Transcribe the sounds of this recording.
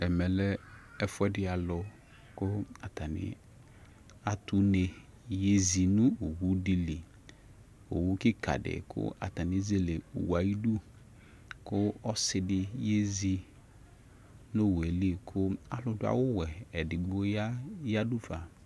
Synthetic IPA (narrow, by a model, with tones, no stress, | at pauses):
ɛ˨mɛ˨lɛ˦ɛ˦fʊ˦ɛ˦dɪ˦a˨lʊ˨ | kʊ˦a˨ta˨nɪ̰˨ | a˨tu˦ne˨ | je˦zi˨nʊ̃˦o˨wu˦di˦li˨ | o̰˨wu˦kɪ˦ka̰˨dɪ̰˨kʰʊ̰˦a̰˨ta˨nɪ˨˦ze˦le˨ṵ˨wa˨ji˦du˦ | kʊ˦ɔ˦sɪ˨dɪ˨je˦zi˦ | no˦˨we˨li˦˨kʰʊ˦a˨lʊ˦dʊ˦a̰˨wʊ˦wɛ˨ɛ˨dɪ˨ɡ͡bo˦a˦ja˦du˦fa˨